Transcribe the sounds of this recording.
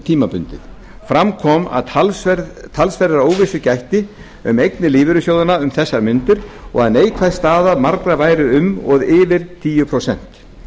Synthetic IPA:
t̪ʰiːmapʏnt̪ɪ̰θ | fɾamkʰɔma̰ðʰat̪ʰalsfɛɾɾoːwvɪsʏcajht̪ɪ | ʏmejknɪlɪːvɪɾʏsjoːwðɪnaʏmθɛsːaɾmʏnt̪ʏɾ̥ɔ̰ɣaðneːjkʰvajst̪aːðamaɾkɾavaːjɾɪʏmɔ̰ðɪːvɪɾ̥t̪ʰiːjʏpʰɾowsɛn̥t̪

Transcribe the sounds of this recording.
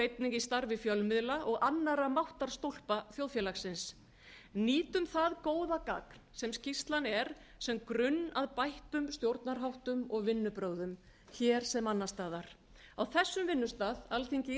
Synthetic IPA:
ejt̪nɪŋcɪst̪aɾvɪfjœlmɪðlaʔɔɣanːaɾamawht̪aɾ̥st̪owl̥paθjowðfjɛlaxsɪns | niːt̪ʏmθaðkoːwðaka̰kn̥sɛmscist̪lanɛɾ̥sɛmkɾʏnːaðpajht̪ʏmst̪jowɾt̪naɾɦawht̪ʏmɔɣvɪnːʏpɾoːwðʏm | çɛɾ̥sɛmanːast̪aːðaɾ̥ | awθɛsːʏmvɪnːʏst̪aːðalθiɲcɪ

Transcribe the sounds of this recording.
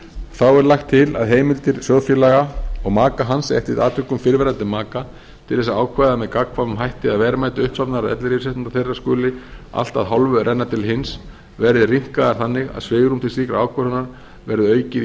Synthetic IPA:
θawɛɾlaxt̪ʰːɪla̰ðɦeːjmɪlt̪ɪɾ̥sjɔwðfjɛlaɣaɔɣmaːkaɦansɛ̰ht̪ɪt̪aːt̪ʰʏkːʏmfɪɾvɛɾant̪ɪmaːka | t̪ʰɪlθɛsːaaːwkʰvajðamɛðkakʰvavʏmɦajht̪ɪaðvɛːɾamajt̪ɪʏhpsɔpnaɾaðɛ̰t̪lɪɾiɾsɛht̪ɪnt̪aθejrːaskʏːlɪa̰l̥t̪aðɦɔlvʏɾʔɛnːat̪ʰɪlɦɪns | vɛɾðɪriŋ̥kaðaɾ̥θanːɪɣa̰ðsvɪːɣɾumt̪ʰɪlsiːkɾa̰aːwkʰvaɾhɔnːaɾ | vɛɾðɪœːɥcɪ

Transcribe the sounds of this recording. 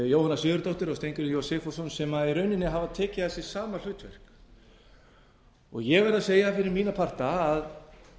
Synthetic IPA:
jowhanːasjʏːðʏɾt̪oht̪ɪɾɔst̪ejɲcʏɾɪjowsɛfɔsɔnsɛmaiɾœɥnɪnːɪɦavaðt̪ʰɛːcɪðasɛ̥saːmal̥ʏːt̪vɛ̰r̥k | ɔɣjɛɣvɛɾaseːjafɪɾɪɾmiːnapʰar̥t̪aːð

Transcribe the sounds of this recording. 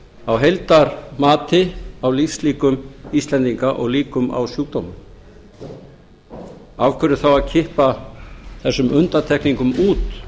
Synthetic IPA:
awɦejlt̪aɾmaːt̪ɪawlifsliːkʏmist̪lɛnt̪iŋkaʔɔɣliːkʏma̰wsjuːk̚t̪owmʏm | avkʰɛɾʏ̥θawaðcʰɪhpa | θɛsːʏmʔʏnt̪aɾt̪ʰɛhkniŋkʏmuːt̪

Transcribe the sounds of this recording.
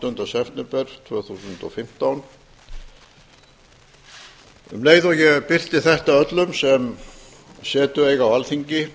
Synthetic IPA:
t̪hʏnt̪ɾasɛft̪nɛmpɛr̥t̪ʰvœːθusʏnt̪ɔfɪm̥t̪awn | mleːjðɔɣjɛpɪr̥t̪ɪθɛht̪aœt̪lʏmsɛm | sɛːt̪ʏejɣawalθiɲcɪ

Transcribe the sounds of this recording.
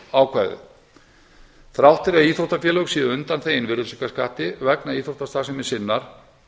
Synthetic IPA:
aːwkʰvaðʏ̰ | θɾawht̪ɪɾaiːθowht̪afjɛːlœwksiːðʏʏnt̪anθejɪnvɪɾʏsʏkaskaːht̪ɪvɛknaiːθowht̪ast̪aːsɛmɪ̥sɪnːaɾ̥

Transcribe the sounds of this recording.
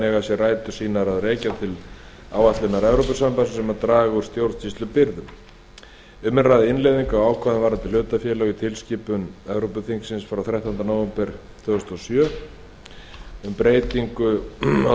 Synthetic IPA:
ɛɣasjɛraːjt̪ʏ̥siːnaɾaðrɛːcat̪ʰɪl | a̰ːwat̪lɪnaɾɛvɾowpʏsampasɪsɛmaɾt̪ɾaːɣuɾ̥st̪jowɾðt͡ɕʰist̪lʏpɪɾðʏm | ʏmːɪnraðɪɪnlejðiŋkaawaːwkʰvaðɪnvaːɾat̪ʰɪl̥ʏːt̪afjɛːlaɣit̪ʰɪlsciːpʏnɛvɾowpʏθiŋksɪnsfɾawθɾajht̪ahnt̪anowvɛmpɪɾ̥ | θʰœɣʏst̪ʏɔsjœː | ʏmpɾeːjt̪iŋkʏa

